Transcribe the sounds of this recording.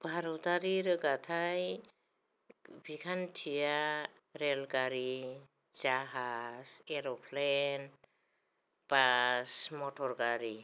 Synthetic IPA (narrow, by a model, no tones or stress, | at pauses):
b̥ʱaɾɔt̪aɾiɾɡat̪ʰaj | bʱikʰantʰija | ɾelɡaɾi | d͡ʒaɦaseɾɔpʰlen | pasmɔtʰɔɾɡaɾi